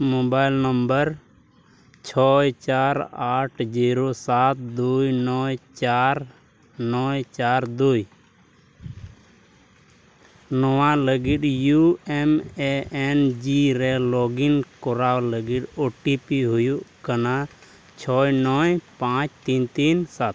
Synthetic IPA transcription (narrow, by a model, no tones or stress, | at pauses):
moːbaːɪlnəmbəɾ | t͡ʃʰɔːjt͡ʃaːɾaːʈʰd͡ʒiːɾoːsaːt̪̚d̪uːjnɔːt͡ʃaːɾ | nɔːt͡ʃaːɾd̪uːi | nɔʋãləɡiɗjuɛmeɛnd͡ʒiːɾɛlɔːɡinkɔɾaːwləɡiɗoːʈipiɦʊjuʔkəna | t͡ʃʰɔːjnɔːjpãːt͡ʃt̪iːnt̪iːnsat̪̚